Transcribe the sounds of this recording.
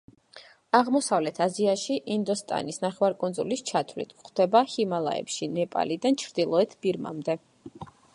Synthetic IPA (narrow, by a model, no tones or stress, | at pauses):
aʁmɔsavlɛt̪ʰaziaʃiʔind̪ɔst̪ʼa̰nisnaχɛwaɾkʼɔnd̪zulist͡ʃʰat̪ʰvlḭt̪ʰχd̪̥ɛbahimalˠa̰ɛ̰pʃinɛpʼa̰lid̪ant͡ʃʰɾd̪̥ilˠɔɛt̪ʰb̥iɾma̰md̪ɛ